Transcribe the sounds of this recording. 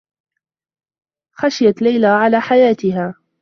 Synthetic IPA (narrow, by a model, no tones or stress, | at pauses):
xaʃɪjat̪lajlaːʕalaːħajaːt̪ɪɦaː